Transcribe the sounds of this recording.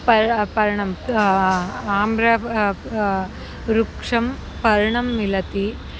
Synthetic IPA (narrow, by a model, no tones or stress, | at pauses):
pɐpɐɾɐɳɐm | aːmɾɐ | ɾukʂɐm | pɐɾɐɳɐmːilɐt̪i